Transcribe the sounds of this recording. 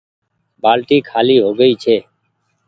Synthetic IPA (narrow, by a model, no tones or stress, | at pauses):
baːlʈiːkʰaːliːɦoːɡəiːt͡ʃʰeː